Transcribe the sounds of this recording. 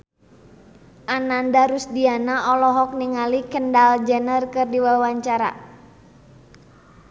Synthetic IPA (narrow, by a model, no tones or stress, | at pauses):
ʔanandaɾusdianaʔɔlɔɦɔk̚niŋalikəndald͡ʒɛnərkɨrdiwawaɲt͡ʃaɾa̰